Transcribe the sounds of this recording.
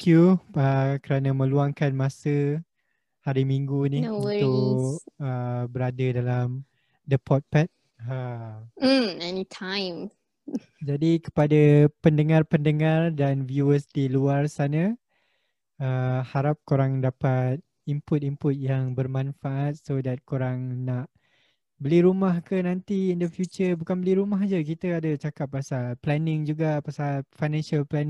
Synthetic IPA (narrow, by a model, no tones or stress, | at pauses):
kjuəkəɾanə̃mə̃luaŋkanmãsə | haɾimiŋɡuniuʊ | əbəɾadədalam | dəpʰɔt̪̚pɛt̪̚ | ɦa | ɛnitʰãjm | d͡ʒadikə̥padapəndəŋarpəndəŋardanvjuəsdiluarsana | əhaɾap̚koɾaŋdapat̪̚ | impʊt̪̚impʊt̪̚jaŋbərmãnfaʔat̪̚sodat̪̚kuɾaŋnaʔ | bəliɾumahkənãnt̪iːndəfjut͡ʃərbukanbəliɾumaɦd͡ʒəkit̪əadət͡ʃakap̚ːasalplɛnɪ̃ŋd͡ʒuɡapasalfajnɛ̃nʃalplɛn